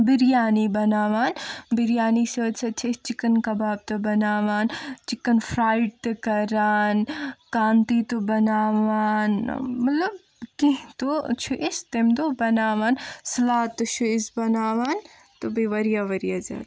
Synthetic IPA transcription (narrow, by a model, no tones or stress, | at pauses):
biɾjaːnibɐnaːʋaːnbiɾijaːnisɐɐsʰɐt͡ʃʰest͡ʃikɐnkɐbaːb̚t̪ɐbɐnaːʋaːnt͡ʃikːɐnfʰɾaːjʈ̚t̪ɨkɐɾaːnkaːnt̪it̪ubɐnaːʋaːnmɐt̪ləb̚ | kiɦt̪ot͡ʃʰuʔest̪emd̪oːbɐnaːʋaːnsɐlaːt̪ːut͡ʃʰuɪsbɐnaːʋaːn | t̪obiʋɐɾijaːʋɐɾijaːd͡ʒa̰ːt̪